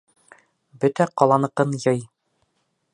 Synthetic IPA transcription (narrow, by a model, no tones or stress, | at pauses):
bɵt̪æqɑlˠɑnɤ̆qɤnjɤj